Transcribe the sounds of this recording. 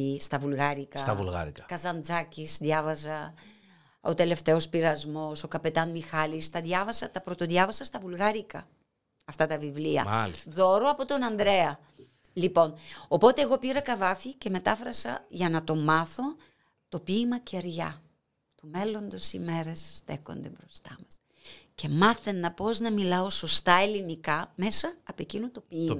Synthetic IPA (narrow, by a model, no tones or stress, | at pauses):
st̪ɐvulɣɐɾikɐst̪ɐvṵlɣɐ̰ɾikɐkɐzɐnd͡zɐcisðʝɐvɐzɐ | ot̪e̞le̞ft̪e̞o̞spiɾɐzmo̞so̞kɐpe̞t̪ɐnmixɐlist̪ɐðjɐvɐsɐt̪ɐpɾo̞t̪oðʝɐvɐsɐst̪ɐvulɣɐɾikɐ | ɐft̪ɐt̪ɐvivliɐ̰a̰lisðo̞ɾoɐpo̞t̪o̞nɐnd̪ɾe̞ɐ | lipo̞no̞po̞t̪e̞ːɣo̞piɾɐkɐvɐfice̞me̞t̪ɐfɾɐsɐʝɐnɐt̪o̞mɐθo̞ | t̪o̞piːmɐceɾʝɐ | t̪ume̞lo̞nd̪o̞sime̞ɾessθe̞ko̞̰nd̪e̞bɾo̞st̪ɐmɐs | ce̞mɐθenːɐpo̞znɐmilɐo̞so̞st̪ɐe̞linikɐme̞sɐːpoe̞cinut̪o̞pim